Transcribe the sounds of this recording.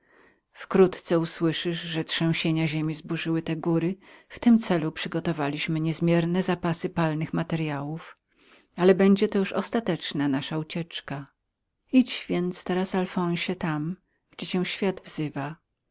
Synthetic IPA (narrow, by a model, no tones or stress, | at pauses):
fkɾut̪t̪sɛuswɘʂɘʂʐɛtʂɛ̃w̃ɕeɲaʑemʲizbuʐɘwɘt̪ɛɡuɾɘft̪ɘmt̪sɛlupʂɘɡɔt̪ɔvalʲiɕmɘɲɛzmʲjɛɾnɛzapasɘpalnɘxmat̪ɛɾjawuf | alɛbɛɲd͡ʑɛt̪ɔjuʂɔst̪at̪ɛt͡ʂnanaʂaut͡ɕɛt͡ʂka | it͡ɕvʲjɛnt̪st̪ɛɾasalfɔ̃w̃ɕɛt̪am | ɡ̥d͡ʑɛt͡ɕɛ̃w̃ɕfʲjad̪vzɘva